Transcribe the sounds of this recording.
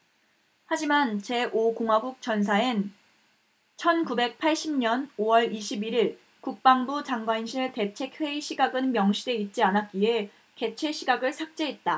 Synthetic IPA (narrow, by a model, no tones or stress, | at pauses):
had͡ʑimant͡ɕe̞ʔokoŋɦaɡuk̚t͡ɕ͈ʌns̬ʰaen | t͡ɕʰʌnkube̞k̚pʰaɭɕ͈imɲʌnoʌɭiɕʰibiɾiɭ | kuk̚p͈aŋbut͡ɕaŋɡwanɕʰiɭte̞t͡ɕʰe̞k̚hɸwe̞iɕʰiɡaɡɯnmjʌŋɕʰide̞it̚t͡ɕ͈ianɦak͈ie̞ | ke̞t͡ɕʰe̞ɕʰiɡaɡɯɭsʰak̚t͡ɕ͈e̞ɦet̚t͈a